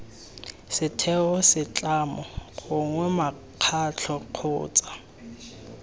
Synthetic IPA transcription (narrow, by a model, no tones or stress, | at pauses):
sɪtʰɛɔsɪt͡ɬʼamɔχʊŋwɛma | q͡χʰat͡ɬʰɔq͡χʰʊ̰ːt͡sʼḁ